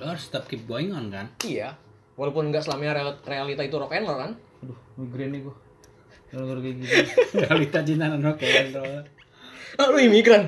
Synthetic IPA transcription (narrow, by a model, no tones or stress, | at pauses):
lorst̪ap̚kibɔiŋɔnkanija | walapʊnŋɡaʔsəlamɲaɾrealit̪ait̪uɾɔkɛnlokan | dʊhmiɡɾɛniɡu | lukərɡiɡitrealit̪at͡ʃinananɔkekant̪ɾ | ɔluimiɡɾan